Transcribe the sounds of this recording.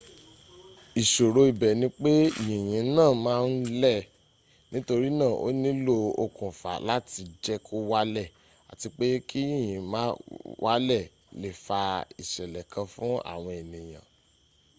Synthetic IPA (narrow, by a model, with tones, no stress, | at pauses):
i˨ʃo˨ɾo˧i˨bɛ˨nĩ˧k͡pe˦˨jĩ˨j̃ĩ˨˦nãː˦˨mãː˦˧n̩˦lɛ˦˨ | nĩ˦to˧ɾi˦nãː˦˨ʔo̰˦nĩ˦lo˦o̰˧kũ˨fa̰˨la˦ti˧d͡ʒɛ˦kʰo˦wa˦lɛ˦˨ | a̰˨ti˧k͡pe˦ki˦ĩ˦˨jĩ˨mãː˦wʔa˦lɛ˦˨ | le˨fa˧i˨ʃɛ˨lɛ˨kʰã˧fũ˦a̰˦˨w̃ɔ̃˧e˨nĩ˨j̃ã̰˨